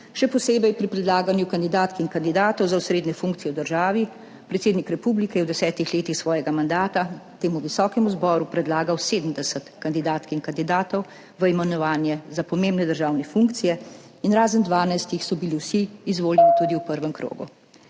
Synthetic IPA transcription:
ʃɛpɔseːbɛjpɾipɾɛd̪laːɡanjukand̪id̪aːt̪kiŋkand̪id̪aːt̪ɔwzausɾeːd̪nɛfuŋkt̪sijɛwd̪əɾʒaːʋi | pɾɛt̪seːd̪nikɾɛpublikɛjɛwd̪ɛsɛːt̪ixleːt̪ixsʋɔːjɛɡamand̪aːt̪at̪eːmuʋisɔːkɛmuzbɔːɾupɾɛd̪laːɡawseːd̪m̩d̪ɛsət̪kand̪id̪aːt̪kiŋkand̪id̪aːt̪ɔw | ʋəimɛnɔʋaːnjɛzapɔmeːmbnɛd̪əɾʒaːwnɛfuŋkt̪sijɛ | inɾaːzənd̪ʋaːnajst̪ixsɔbiliwsiːzʋoːljɛnit̪uːd̪iupəɾʋɛmkɾo̰ːɡṵ

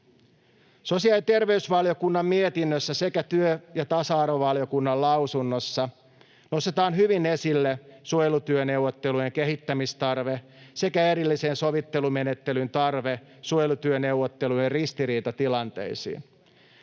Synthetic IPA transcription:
so̞siɑlit̪e̞rʋe̞ysʋɑljo̞kunːɑmmiet̪inːøsːæse̞kæt̪yøjɑt̪ɑsɑɑrʋoʋɑljo̞kunːɑllɑwsunːosːɑ | no̞st̪et̪ɑːnɦyʋinesilːesuojlut̪yøne̞uwːot̪ːelujeŋkeɦit̪ːæmist̪ɑrʋese̞kæeɾilːisenso̞ʋit̪ːe̞lume̞net̪ːe̞lynt̪ɑrʋe | sujlut̪yøne̞wʋːot̪ːelujerrist̪iɾiːt̪ɑt̪ilɑnt̪e̞̰isḭːn

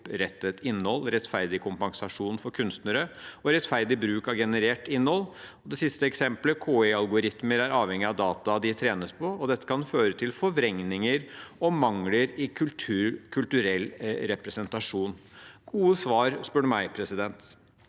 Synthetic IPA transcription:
pɾɛt̪ːət̪ɪnːhɔlːɾɛt̪fæɾd̪ɪkʰʊmpɑŋsɑʂuːnfɔɾkʰʉnst̪nəɾəɔɾɛt̪fæɾd̪ɪbɾʉːkɑɡɛnəɾeːʈɪnːhɔlːɔd̪ɛsɪst̪əɛksɛmpləkʰoːɛɑlɡʊɾɪt̪məɾæɾɑːʋhɛŋːɪɑʋd̪ɑːt̪ɑd̪ɪt̪ʰɾeːnəspʰɔɔd̪ɛt̪ːə̥kʰɑnføːɾət̪ʰɪlfɔʋɾɛŋnɪŋəɾɔmɑŋləɾɪkʰʉltʰʉːkʰʉlt̪ʉɾɛlːɾɛpɾɛsɛnt̪ɑʂuːnɡ̥uːəsʋɑːɾspʉɳəmæɪpʰɾɛsɪd̪ɛnt̪

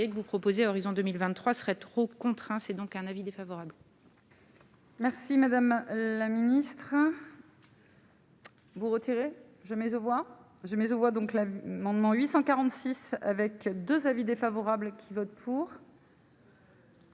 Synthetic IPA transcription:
jekəvupχɔpozeaɔʁizɔ̃d̪əmilvɛ̃t̪ːχwasəʁɛt̪χokɔ̃t̪χɛ̃sɛd̪ɔ̃kɛ̃navid̪efavɔʁabl | mɛʁsimad̪amlaminist̪χ | vuʁət̪ʰiʁe | ʒəmɛzovwa | ʒəmɛzovwad̪ɔ̃klamɑ̃d̪mɑ̃ɥisɑ̃kaʁɑ̃t̪sisa̰vɛkd̪øzavid̪efavɔʁablkʲʰivɔt̪̚pʰuʁ

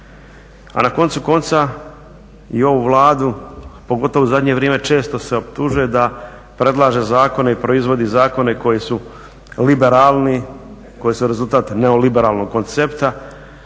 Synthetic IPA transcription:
a̰nako̞nt̪suko̞nt̪sa | io̞ʋuʋlˠaːd̪upoɡo̞t̪o̞ʋouzad̪ɲe̞ʋɾeme̞t͡ʃe̞ːst̪o̞se̞opt̪uʒuje̞d̪a | pɾe̞d̪lˠaːʒe̞zaːko̞neipɾo̞izʋo̞d̪izaːko̞neko̞jisu | libeɾaːlˠni | ko̞jisuɾe̞zulˠt̪aːt̪neo̞libe̞ɾaːlˠno̞ɡ̚ko̞nt̪sept̪a

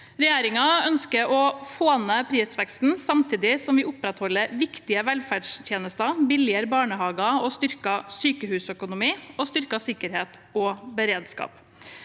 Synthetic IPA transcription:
ɾɛjeːɾɪŋɑœnskəɾɔfoːnəpʰɾiːsʋɛkst̪n̩sɑmt̪ʰiːd̪ɪsɔmʋɪːʊpɾɛt̪hɔlːəɾʋɪkt̪ɪəʋɛlfæɖst̪ʰjeːnəst̪ɑbɪlɪəɾbɑːɳəhɑːɡɑɔst̪ʏɾkɑsyːkəhʉːsœkʊnʊmiːɔst̪ʏɾkɑsɪkːəɾheːt̪ɔbəɾeːd̪skɑ̰ːp

